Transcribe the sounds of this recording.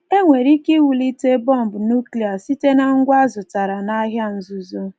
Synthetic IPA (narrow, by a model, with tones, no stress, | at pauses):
e˦ŋʷe˨ɾi˦ki˦wu˨li˦te˦bɔ˦m̩˨bʊ˨nu˦kli˨a˨si˦te˦na˦ŋ̩˦ɡʷa˦zʊ˨ta˨ɾa˨na˦ɦja˦n̩˦˨zu˨zo˦